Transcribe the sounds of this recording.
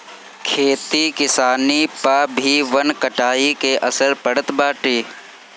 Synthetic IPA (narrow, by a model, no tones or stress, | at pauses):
kʰeːt̪ikɪsaːnipaːbʱiʋɐnkɐʈaːikeʔɐsəɾpɐɽət̪baːʈiː